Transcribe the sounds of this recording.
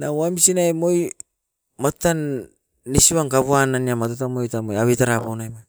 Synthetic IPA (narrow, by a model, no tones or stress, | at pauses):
nawamisinajmo̞j | matanː | isiβaŋkaβoananiamatotamojtamojaβitaɾapawnajma